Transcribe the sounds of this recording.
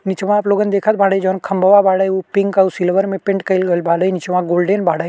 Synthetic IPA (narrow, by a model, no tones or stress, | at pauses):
nɪt͡ʃʋãːploːɡənd̪eːkʰət̪̚bʱaːɽəd͡ʒonkʰɐmbʱəʋabaːɽəopɪŋɡɐsilʋəɾmẽpɪ̃ɳʈkɐlɡəlbʱaːɽəinɪt͡ʃʋãɡoːlɖenbʱaːɽəj